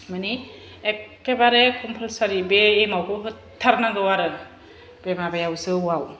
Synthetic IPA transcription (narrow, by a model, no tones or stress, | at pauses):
mani | ɛkɛbaɾɛkʰɔmpʰalsaɹibɛejmawkɔɦɔtʰːaɾnaɡɯwaɾɯ | b̥ɛmabajausɯwaw